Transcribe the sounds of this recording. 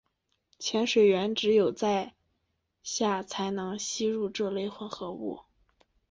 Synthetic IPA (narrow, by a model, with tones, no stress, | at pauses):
t͡ɕʰjɛ˧˥nʂwe˨˩ɪɥɛ˧˥nʈ͡ʂɻ̩˧˥jo˨˩ʊt͡sa˥˧ɪ | ɕja˥˩t͡sʰa˧˥ɪnɤ˧˥ŋɕi˥ɻu˥˧ʈ͡ʂɤ˥˧le˥˧ɪxwə˧˥nxɤ˧˥ṵ˥˩